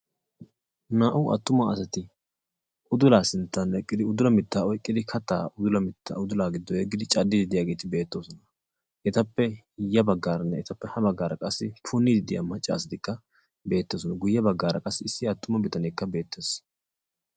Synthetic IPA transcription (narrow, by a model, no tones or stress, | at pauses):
naːʔʊʔɐ̰t̪ːʊmɐɐsɐt̪ɪ | ʔʊd̪ʊlaːsɪnt̪ːɐnɛkʼːɪd̪ɪʊd̪ʊlɐmɪt̪ːaːɔjkʼːɪd̪ɪkʰɐt̪ːa̰ːʔʊd̪ʊlɐmɪt̪ːa̰ʊd̪ʊlaːɡɪd̪ːɔjɛɡːɪd̪ɪt͡ʃʼɐd̪ːɪd̪ɪd̪ɪjaːɡe̞ːt̪ɪbe̞ːt̪ːo̞ːsɔnɐ | ʔɛt̪ɐpːɛ | jɐbɐɡːaːɾɐnːɛɛt̪ɐpːɛhɐbɐɡːaːɾɐkʼɐsːɪpʰʊnːɪd̪ɪd̪ɪja̰mɐt͡ʃʼːa̰ːsɐd̪ɪkːɐ | be̞ːt̪ːoːs̬ɔnɐɡʊjːɐbɐɡːaːɾɐkʼɐsːɪɪsːɪɐt̪ːʊmɐbɪt̪ɐneːkːɐbe̞ːt̪ːeːs